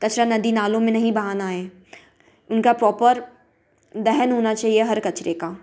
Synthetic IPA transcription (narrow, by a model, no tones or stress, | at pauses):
kɐt͡ʃɾanɐd̪inaːlõmẽnɐɦĩbɐɦaːnaɦɛː | ʊnkapɾɔːpəɾ | d̪ɛɦənɦoːnat͡ʃaːɦieɦɐɾkɐt͡ʃɾekaː